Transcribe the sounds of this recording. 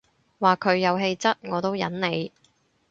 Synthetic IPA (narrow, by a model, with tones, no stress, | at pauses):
waː˨kʰɵ˨˧ɥjɐ˨˧wɦe˧jt͡sɐ˥t̚ŋɔː˨˧t̪o˥wjɐ̰˨˥nne˨˧j